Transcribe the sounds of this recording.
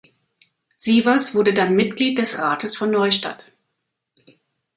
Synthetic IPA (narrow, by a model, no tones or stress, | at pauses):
z̥iːvasv̥ʊɐdədanmɪtɡ̥liːt̚d̥ɛsʁaːtʰəsfɔnːɔʏʃta̰t